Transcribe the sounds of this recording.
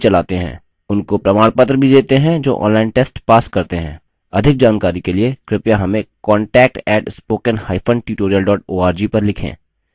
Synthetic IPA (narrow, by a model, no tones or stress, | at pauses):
t͡ʃɐlaːt̪eɦɛ̰̃ː | ʊnkopɾɐmaːɽpət̪ɾəbʱid̪eːt̪eɦɛ̃d͡ʒo̰ːʔɔ̰̃ːnlaːɪnʈeːsʈpaːskɐɾt̪eɦɛ̰̃ː | ɐd̪ʱɪk̚d͡ʒaːnkaːɾikeliekɾɪpjaɦɐmẽkɔːɳʈɛːk̚ʈɛːʈspoːkə̃nhaːɪpʰə̃ɳɖʈuʈoːɾijəlɖɔːʈ̚oːaːɾd͡ʒiːpɐɾlɪkʰḛ̃ː